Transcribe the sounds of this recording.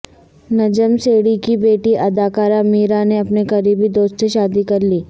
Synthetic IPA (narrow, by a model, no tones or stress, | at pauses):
nɐd͡ʒəmseːɽikibeːʈiʔɐd̪aːkaːɾamiːɾaneɐpnekɐɾiːbid̪oːst̪seʃaːd̪ikɐɾliː